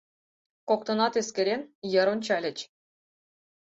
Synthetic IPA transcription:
kok̚t̪ɤ̆nɑt̪eskʲɘ̆ɾʲenjɤ̆ɾonʲt͡ɕælʲɘ̆t͡ɕ

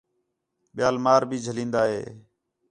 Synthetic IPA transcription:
ɓɪjaːlmaːɾbʱiːd͡ʒʱəlĩːnd̪aːɦḛː

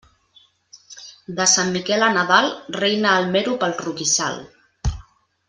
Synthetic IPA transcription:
d̪əsamːikɛlənaðalˠrejnəːlˠmɛɾupəlˠrukisa̰lˠ

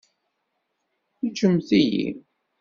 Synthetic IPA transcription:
it͡ʃːəmθijḭ

